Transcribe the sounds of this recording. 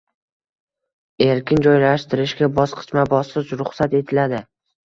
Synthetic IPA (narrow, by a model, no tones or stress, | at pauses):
e̞ɾkʲɪnd͡ʒɒjlaʃt̪ɪɾɪʃɡʲabɒsqʰɨ̥t͡ʃmabɒsɨt͡ʃɾʊχsat̪e̞t̪ʰɪlad̪ɪ